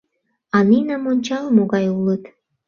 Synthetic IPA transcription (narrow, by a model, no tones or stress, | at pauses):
ɑninɑmonʲt͡ɕɑlmoɣɑjulət̪